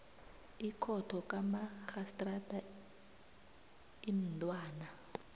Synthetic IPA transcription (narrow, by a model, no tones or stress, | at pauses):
ikʰɔtʰɔk̬ʼamaxastʼradʱa | im̩ntʼwaːna